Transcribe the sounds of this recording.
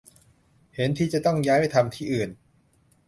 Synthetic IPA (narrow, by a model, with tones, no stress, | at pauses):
he˩˦nt̪ʰiː˥˩t͡ɕa˨˩t̪ɔ˥˩ŋjaː˦˥jha˥˩jt̪ʰa˧mt̪ʰiː˥˩ʔɯː˨˩n